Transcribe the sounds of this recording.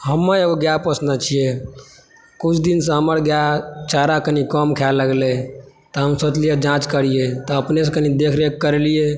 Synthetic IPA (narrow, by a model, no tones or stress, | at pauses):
ɦəmːəeɡoɡjapəsnət͡ʃʰije | kut͡ʃʰd̪insə̃ɦəməɾɡjat͡ʃaɾakənikəmkʰɛlːəɡle | t̪ɔɦəmsət͡ʃlijad͡ʒãt͡ʃkəɾijet̪ɔəpnes̬ẽkənid̪ekʰɾekːəɾelije